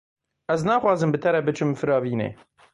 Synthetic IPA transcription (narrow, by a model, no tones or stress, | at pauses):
ɛznɑːxʷwɑːzɨmbɨt̪ʰɛɾɛbɨt͡ʃʰɨmfɨɾɑːviːnḛː